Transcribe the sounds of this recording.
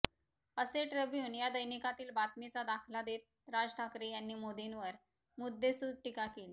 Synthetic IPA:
əseʈɾəbjuːnjad̪əjnikat̪iːlbat̪mit͡sad̪akʰlad̪et̪̚ | ɾad͡zʈʰakɾejanːiːmod̪inʋəɾ | mud̪ːesuːd̪ʈikakeli

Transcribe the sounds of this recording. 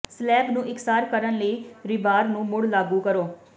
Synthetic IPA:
slɛːbnũːʔɪksaːɾkəɾənləiːɾɪbaːɾnũːmʊɽlaːɡuːkəɾoː

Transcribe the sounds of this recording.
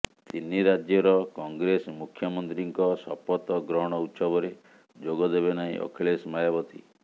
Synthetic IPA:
t̪inːiɾad͡ʒjɔɾɔkɔŋɡɾesmukʰjɔmɔnt̪ɾiŋkɔsɔpɔt̪ɔɡɾɔɦɽ̃ɔut̪sɔbɔɾe | d͡ʒoɡɔd̪ebenaḭ̃ʔɔ̰kʰeɭesmajabɔt̪ḭ

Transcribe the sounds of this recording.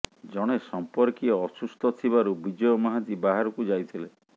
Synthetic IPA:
d͡ʒɔɽ̃esɔmpɔɾkiɔːsust̪ʰɔt̪ʰiβaɾubid͡ʒɔjɔmaɦat̪ibaɦaɾɔkud͡ʒajt̪ʰile

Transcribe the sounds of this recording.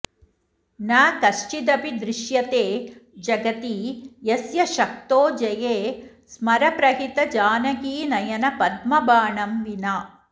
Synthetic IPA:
naːkɐʂt͡ʃid̪ɐpid̪ɾɪʃjɐt̪eːd͡ʒɐɡɐt̪ijɐsjɐʃɐk̚t̪oːd͡ʒɐjeː | smɐɾɐpɾɐɦit̪ɐd͡ʒaːnɐɡiːnɐjɐnɐpɐd̪̚mɐbaːɳɐmʋinaː

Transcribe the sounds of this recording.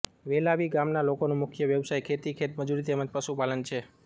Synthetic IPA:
ʋelaʋiɡamnalokonũmʊkʰjəʋjəʋsajkʰet̪ikʰet̪məd͡ʒuɾit̪eməd͡ʒpəʃupalənt͡ʃʰe

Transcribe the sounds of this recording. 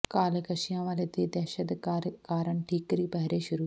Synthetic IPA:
kaːlekəʃɪjãːʋaːleːt̪iːd̪ɛːʃəd̪ɾkaːɾəɳʈʰiːkɾiːpɛɦɾeːʃʊɾuː

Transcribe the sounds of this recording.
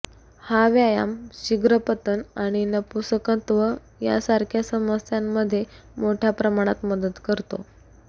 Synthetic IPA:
haʋjaja̰mɕiɡɾəpət̪ənaɽ̃inəpusəkət̪ʋə | ja̰saɾkʰjasəməsjamːəd̪ʱːje | moʈʰjapɾəmaɽ̃at̪məd̪ət̪kəɾt̪o̰

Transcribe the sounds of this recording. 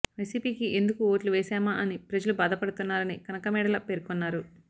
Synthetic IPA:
ʋɐjsiːpiːkiʔe̞nd̪ukuo̞ːʈluʋɛːsɛːmaʔɐnipɾɐd͡ʒɐlubaːd̪ɐpɐɽut̪unːaːɾɐnikɐnɐkɐmɛːɽɐlɐpe̞ːɾukonːaːɾu

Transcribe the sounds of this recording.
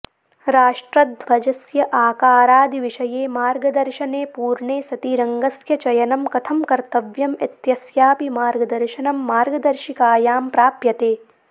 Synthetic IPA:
ɾaːʂʈɾɐd̪ʱʋɐd͡ʒɐsjɐʔaːkaːɾaːd̪iʋiʃɐjeːmaːɾɡɐd̪ɐɾʃɐneːpuːɾɳeːsɐt̪iɾɐŋɡɐsjɐt͡ʃɐjɐnɐmkɐt̪ʰɐmkɐɾt̪ɐʋjɐmɐt̪jɐsjaːpimaːɾɡɐd̪ɐɾʃɐnɐmːaːɾɡɐd̪ɐɾʃikaːjaːmpɾaːpjɐt̪eː

